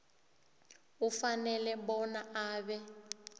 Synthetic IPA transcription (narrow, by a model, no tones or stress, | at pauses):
ufanɛlɛbɔnaaːbɛ